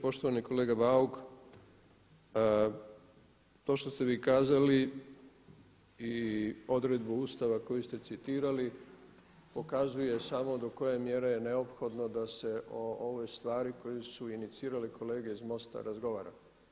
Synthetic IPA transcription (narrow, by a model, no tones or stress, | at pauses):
po̞ʃt̪o̞ʋaniko̞le̞ːɡabauk | t̪o̞ːʃt̪o̞st̪e̞ʋiːkaːzali | io̞d̪ɾed̪buuːst̪aʋako̞just̪e̞t̪sit̪iːɾali | po̞kazuje̞samo̞d̪o̞ko̞jemje̞ɾejene̞o̞pxo̞d̪no̞d̪ase̞ʔooʋojst̪ʋaːɾiko̞jesuinit̪siːɾalikʰo̞le̞ːɡe̞izmo̞st̪a̰ɾazɡo̞ʋaːɾa̰